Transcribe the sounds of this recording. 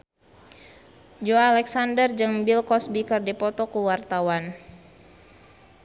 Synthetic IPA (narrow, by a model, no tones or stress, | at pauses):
d͡ʒoalɛksandərd͡ʒɨŋbilkɔsbikɨrdipɔt̪ɔkuwart̪awan